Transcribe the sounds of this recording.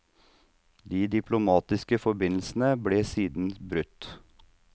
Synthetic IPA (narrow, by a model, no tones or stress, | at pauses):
d̪iːd̪ɪpʰlʊmɑːt̪ɪskəfɔbɪnl̩sn̩əbleːsiːd̪n̩bɾʉt̪ː